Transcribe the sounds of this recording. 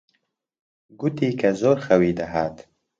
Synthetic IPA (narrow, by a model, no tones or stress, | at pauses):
ɡut̪ikazoɾxawid̪aɦat̪